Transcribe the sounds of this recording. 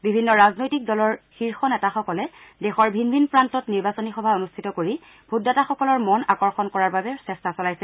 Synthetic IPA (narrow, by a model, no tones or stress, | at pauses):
bibʱinːɔɹaznojtik̚dɔlɔɹxiɹxɔnɛtaxɔkɔlɛdɛxɔɹbʱinbʱinpɹantɔtniɹbasonixɔbʱaonustʰitɔkoɹi | bʱudataxɔkɔlɔɹmɔnakɔɹxɔnkɔɹaɹbabɛsɛstasɔlajsɛ